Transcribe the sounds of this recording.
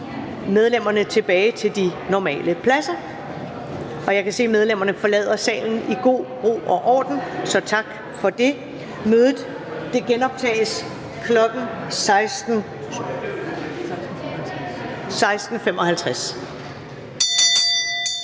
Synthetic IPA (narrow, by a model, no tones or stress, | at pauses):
með̞ˠlem̰ɐnət͡sʰe̝b̥ɛːɪt͡sʰe̝ld̥inɒmɛ̰ːləpʰlæsɐ | ʔɒ̽jɑ̈ɪkʰæse̝̰ːmeð̞ˠlem̰ɐnəfɒ̽lɛ̰ːð̰ˠɐsɛ̰ːln̩iɡ̥o̝̰ːb̥ʁo̝̰ːʔɒ̽ʔɒ̰ːd̥n̩sɒ̽t͡sʰɑ̈ɡ̥ | fɒ̽d̥e̝ | møːðˠð̩ˠ | d̥e̝ɡ̥enɒ̽b̥̚t͡sʰɛ̰ːɪs | kʰlɒ̽ɡ̥n̩ | sɪsn̩ | sɑ̈ɪsd̥n̩femɒ̽hælt͡sʰʁas